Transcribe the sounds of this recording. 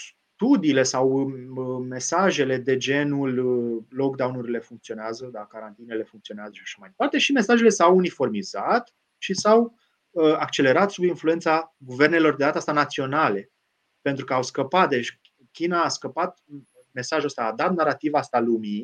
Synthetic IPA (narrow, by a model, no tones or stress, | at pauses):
s | t̪ud̪iːle̞sawəme̞saʒe̞le̞d̪e̞d͡ʒe̞nulːok̚d̪awnuɾile̞fuŋk̚t̪sio̞neazəd̪akaɾant̪inele̞fuŋkt̪sioneazəʃiaʃamajd̪e̞part̪e̞ʃime̞saʒe̞le̞sawunifo̞rmizat̪ | ʃisaw | əak̚t͡ʃe̞le̞ɾat̪subinfluentsaɡuve̞rne̞lo̞rd̪eat̪əast̪anat̪sio̞nale̞ | pe̞nt̪ɾukəawskəpat̪̚d̪et͡ʃʲ | kʲinaːskəpat̪̚ | me̞saʒuəst̪aːd̪at̪naɾat̪ivaast̪alumi